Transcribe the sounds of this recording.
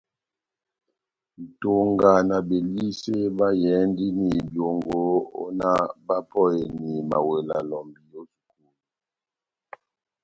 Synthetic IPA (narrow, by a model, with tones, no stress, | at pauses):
n̩˨to˨ŋɡa˨na˨be˨li˦se˦ba˦jɛ˨˦ndi˦ni˨bjo˨ŋɡo˨˦o̰˦na˦ba˦pɔ˦je˨ni˨ma̰˨we˨la̰˨lɔ˨mbi˦jo˦su̥˨kuː˦˨lu˨